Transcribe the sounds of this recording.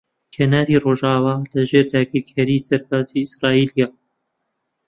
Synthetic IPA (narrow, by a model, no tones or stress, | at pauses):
kʰenaːɾiːroːʒaːwaːlɐʒeːɾd̪aːɡiɾkʰaɾisɐɾbaːziːɪsɾɑːiːlijaː